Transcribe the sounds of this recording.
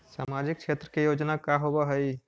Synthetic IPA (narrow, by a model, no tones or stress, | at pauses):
samad͡ʒik̚t͡ʃʃʰet̪ɾəkejod͡ʒnakaɦobaɦəi